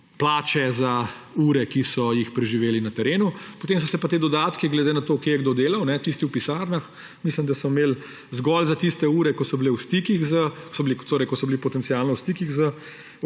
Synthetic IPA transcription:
plaːt͡ʃɛza | uːɾɛkisɔjixpɾɛʒiʋeːlinat̪ɛɾeːnupot̪eːms̬ɔsɛpat̪eːd̪ɔd̪aːt̪kiɡlɛd̪enat̪oːkeːjɛɡd̪od̪eːlɐwnɛt̪ist̪iwpisaːɾnax | mislimd̪asɔmeːl | zɡɔlzat̪ist̪ɛuːɾɛkɔsɔbilewst̪ikiɣzəsɔbilit̪oɾɛjkɔsɔbilipɔt̪ɛnsialnɔwst̪ikiɣzə

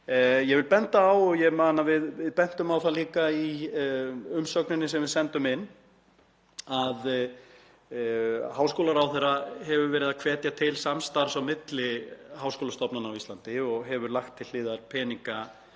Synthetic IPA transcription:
jɛvɪlpɛnt̪aːwjɛɣmaːnavɪðvɪðpɛn̥t̪ʏmawθaliːkai | ʏmsœknɪnːɪs̬ɛmvɪðsɛnt̪ʏmɪnː | að | haːwskoːwlaɾawθɛrːahɛvʏɾvɛːɾɪðakʰvɛːt̪jat̪ʰɪlsamst̪aɾ̥sawmɪt̪lɪɦawskoːlast̪ɔpnanawist̪ant̪ɪɔɣɦɛvʏɾlaxt̪ʰːɪl̥ːɪːðaɾpʰɛːniŋka

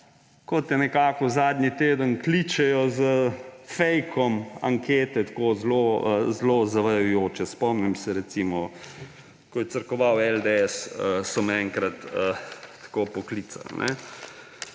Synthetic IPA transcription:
kɔt̪jɛnɛkaːkɔzaːd̪nʲit̪eːd̪ənklit͡ʃɛjɔzəfɛjkʰɔma̰ŋkeːt̪ɛt̪ḁkoːzloəzlozaʋɐjʊjoːt͡ʃɛspɔmnɛmsɛɾɛt̪simɔ | kɔjɛsəɾkɔʋawɛld̪eɛsəsɔmɛŋkɾɐt̪ət̪ḁkoːpɔkliːt̪sa̰lnʔɛ̰

